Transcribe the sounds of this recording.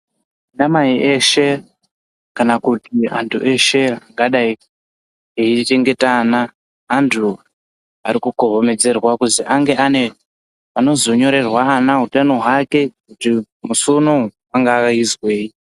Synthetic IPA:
indamaiʔe̞ʃe̞ | kanakutia̰ntʰṵʔe̞ʃe̞aŋɡaɗai | ɦeite̞ŋɡe̞tanaː | ntʰu | aɾikukoɦome̞d͡ze̞rwakuziʔaŋɡe̞ane | pano̞zo̞ɲo̞ɾe̞rwaanaɦutanoɦwake̞kuti | musonou | aŋɡaːizwe̞ːi

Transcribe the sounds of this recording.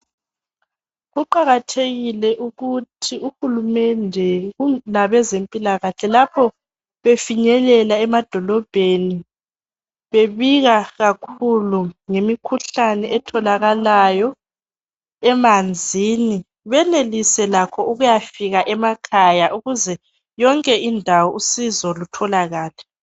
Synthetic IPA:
ɣuǃaɣatʰeɣilɛʔuɣutʰiuxulumɛndʱɛɣunaβɛzempʼilaɣaɬɛlapʰɔ | βefiɲɛlɛlaɛmad̥ʱɔlɔb̥ʱeni | βeβiɣaɣakʰuluŋemikʰuɬanɛɛtʰɔlaɣalajɔ | ɛmand͡zʱini | βɛnelisɛlakʰɔuɣujafiɣaʔɛmakʰajaʔuɣuzɛ | jɔŋkʼɛindʱawɔʔusizɔlutʰɔlaɣaːlɛ

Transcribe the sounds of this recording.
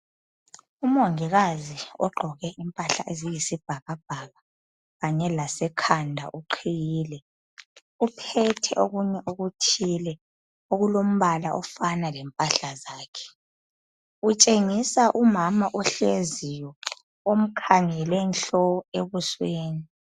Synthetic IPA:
um̩ɔŋiɣaziɔɡ͡ǃʱɔɣɛʔimpʼaɬa̰ʔezijisib̥ʱaɣab̥ʱaɣa | ɣaɲɛlasɛkʰandʱa̰ʔuǃʰijiːlɛ | upʰɛtʰɛʔoɣuɲɛʔoɣutʰilɛ | oɣulom̩βalaʔɔfanalɛmpʼaɬazaːkʰɛ̥ | ut͡ʃʼeŋisaʔumamaʔɔɬezijɔ | om̩kʰaŋɛlɛnɬɔeβusweːni

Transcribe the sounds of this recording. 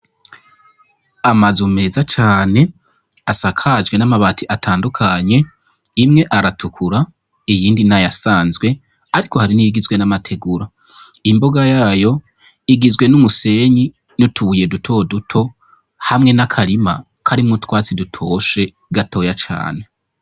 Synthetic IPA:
amazume̞ːzat͡ʃaːne̞ | asakʰad͡ʒɡwe̞namaβaːtʰiʔatʰaːndukʰaɲe̞ | imŋe̞ʔaɾatʰukʰuɾa | ijiːndinajasaːnzɡwe̞ | aɾiko̞haɾiniiɡizwe̞namatʰe̞ɡuɾa | imbo̞ɡajaːjo̞ | iɡizɡwe̞numuse̞ɲi | nutʰuβuje̞dutʰo̞dutʰo̞ | hamŋe̞nakʰaɾima | kʰaɾimŋutwaːt͡sidutʰo̞ʃe̞ | ɡatʰo̞ːjat͡ʃa̰ːne̞

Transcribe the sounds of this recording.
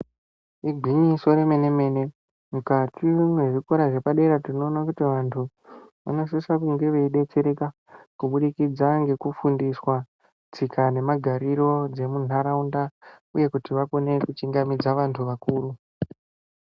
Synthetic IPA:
iɡʱwiɲiso̞ɾemene̞me̞ne | mukatʰimwe̞ʐikoɾaʐe̞paɗe̞ɾatino̞ːnakutiʋantʰu | ʋa̰no̞s̬isakuŋɡe̞ʋeiɗe̞t͡se̞ɾe̞ka | kuɓuɗikid͡zaŋɡe̞kufundiswa | t͡sikʰane̞maɡʱaɾiɾo̞d͡ze̞mun̤aɾaunda | uje̞kutiʋako̞ne̞kut͡ʃiŋɡamid͡zaʋantʰuʋakuːru

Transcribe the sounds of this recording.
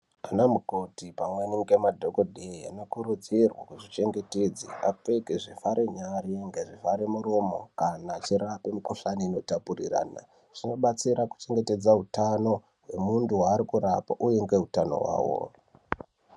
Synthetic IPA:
anamukotipamweniŋɡe̞madʱokodʱea̰no̞kuɾud͡zirwa̰kuʐit͡ʃe̞ŋɡe̞ted͡zḭa̰pekeʐifaɾʔeɲareŋɡeʐifaɾemuɾomo̞kanat͡ʃiɾapemukoɬaniːno̞tapurira̰ːna̰ | ʐ̥ino̞ɓat͡siɾaku̥t͡ʃe̞ŋɡe̞te̞d͡zaɦutano̞ | ɦwe̞munduwaːɾikuɾapa̰ʔuje̞ŋɡe̞ɦutano̞̰wa̰ːwo̰

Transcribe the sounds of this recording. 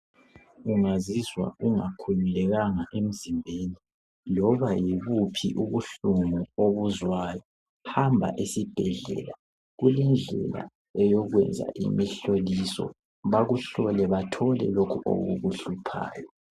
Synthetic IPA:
uŋazizwa̰uŋakʰujulɛɣaŋaʔem̩zimbʱeni | lɔβajiβupʰḭʔuβuɬuŋuoβuzwaːjɔ | hambʱa̰ʔisib̥ʱɛɮɛ̰la | ɣulɛnd͡ɮʱɛ̰la̰ | ɛjɔɣwɛnd͡zʱa̰ʔḭmiɬolisɔ̰ | βaɣuɬɔlɛβatʰɔlɛ̰lokʰuʔo̰ɣṵɣuɬupʰa̰ːjɔ

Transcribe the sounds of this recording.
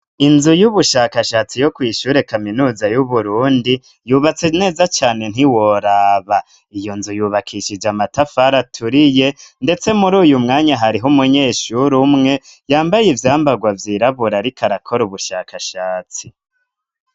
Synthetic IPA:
inzujuβuʃakaʃaːt͡sijo̞kwiːʃuːɾe̞kaminuːzajuβuɾuːndi | juːβat͡se̞ne̞ːzat͡ʃaːne̞n̥hiwoɾaːβa | ijo̞nzujuːβakʰiʃid͡ʒamatafaɾatʰuɾije̞nde̞t͡se̞muɾuːjumŋaːɲaɦaɾiɦumuɲe̞ːʃuɾumŋe̞jaːmbajivjaːmbaɡwavjiːɾaβuɾaɾikʰaɾakʰo̞ɾuβuʃaːkʰaʃaːt͡si

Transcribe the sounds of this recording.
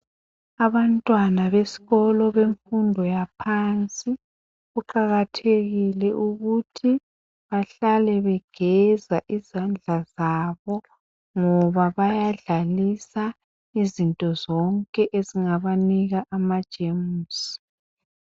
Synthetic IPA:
aβantʼwanaβesi̥ɣɔlɔβeɱfundʱɔjapʰant͡sʼi | ɣuǃaɣatʰeɣilɛʔuɣutʰi | βaɬalɛβɛɡ̥ʱɛzaʔizand͡ɮʱazaβɔ | ŋɔβaβajaɮalisa | izintʼɔzɔŋkʼɛʔeziŋaβaniɣaʔamad̥ʒ̥ʱemuuːsi̥

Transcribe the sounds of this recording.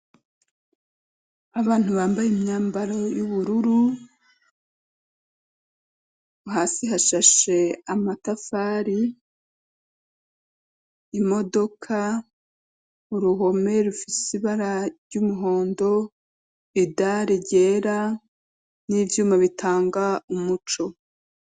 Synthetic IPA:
aβaːn̥huβaːmbajimɲaːmbaɾojuβuɾuɾu | uhaːsiɦaʃaʃe̞amatafaːɾi | mo̞do̞kʰa | uɾuɦo̞me̞ɾufisiβaɾaɾɟumuɦo̞ːndo̞ | βidaɾeɟeːɾa | nivjuːmaβitʰaːŋɡaumut͡ʃo̞

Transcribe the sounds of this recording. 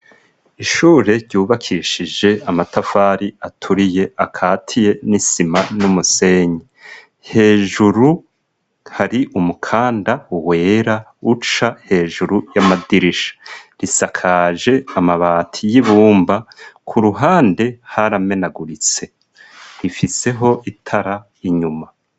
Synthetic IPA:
iʃuːɾe̞ɾɟuːβakʰiʃid͡ʒe̞amatafaːɾiatʰuɾije̞akʰaːtʰije̞nisimanumuse̞ɲi | he̞ːʒuɾu | haɾiʔumukʰaːndauwe̞ːɾa | ut͡ʃahe̞ːʒuɾujamadiɾiʃḁɾisakʰaʒe̞amaβaːtʰijiβuːmbakʰuɾuɦaːnde̞haɾame̞naɡuɾit͡se̞ | ɾifise̞ɦo̞ʔitʰaɾa | iɲuma

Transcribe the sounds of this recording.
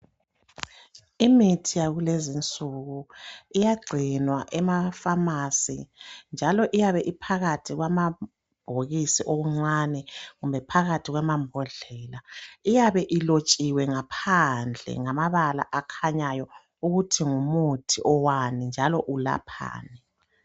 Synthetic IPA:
imitʰijaɣulezint͡sʼuɣuijaɡ͡ǀʱinwaʔɛmafamasḭnd͡ʒʱalɔʔijaβɛʔipʰaɣatʰiɣwama | b̥ʱoɣisiʔoβuŋ͡ǀanɛɣumbʱɛpʰaɣatʰiɣwamambʱɔɮɛlaijaβɛʔilot͡ʃʼiwɛŋapʰand͡ɮʱɛ̰ŋamaβala̰ʔakʰaɲajɔ | uɣutʰiŋumutʰiʔɔwanind͡ʒʱalɔʔula̰pʰa̰ːnɛ

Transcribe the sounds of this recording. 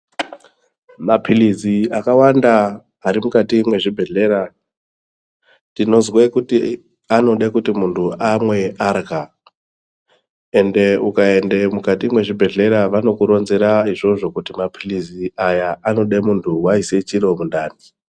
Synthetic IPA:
mapʰiliziakawandaː | ɾimukatimwe̞ʐibʱe̞ɮe̞ɾa | tino̞zwekuti | ano̞ɗekutimuntʰuamwe̞arɡa | e̞nde̞ukae̞nde̞mukatimwe̞ʐibʱe̞ɮe̞ɾaʋano̞kuɾo̞nzeɾaiʐo̞ʐo̞kutimapʰiliziajaʔano̞ɗemuntʰuwaise̞t͡ʃiɾo̞mundaːni

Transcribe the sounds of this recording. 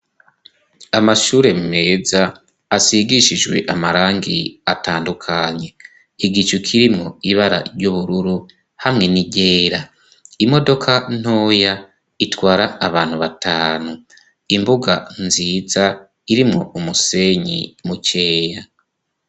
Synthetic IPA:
amaʃuːɾe̞mume̞ːzaː | siɡiʃid͡ʒwe̞̰ʔamaɾaːŋɡḭataːndukʰaɲe̞ | iɡit͡ʃukʰiɾimŋo̞iβaɾa̰ɾɟuβuɾuɾu | hamŋe̞niɟeːɾa | imo̞do̞kʰan̥o̞ːja | itwaːɾaːβaːn̥huβatʰaːnu | imbuɡa̰nziːza | iɾimŋo̞umuse̞ɲḭmuce̞ːja

